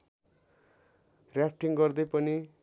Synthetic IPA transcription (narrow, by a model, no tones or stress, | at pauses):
rjap̚ʰʈiŋɡʌrd̪ʌjpʌni